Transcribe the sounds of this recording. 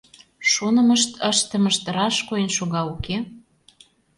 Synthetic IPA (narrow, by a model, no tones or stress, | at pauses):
ʃunə̆mə̆ʃt̪əʃt̪ə̆məʃt̪ɾɑʃkoenʃuɣɑuke